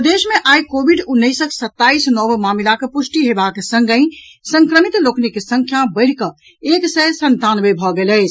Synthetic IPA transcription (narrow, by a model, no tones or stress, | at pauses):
pd̪esmeʔajkobʱiɖunːəɪsəksət̪ːaisnɔbmamilakepusʈiɦebaksə̃ŋɡəɪ̃ | sə̃ŋkɾəmit̪loknikesəŋkʰjabəɪɽ̤kə | eksɛsənt̪anbebʱɔɡelɛɪt͡ʃʰ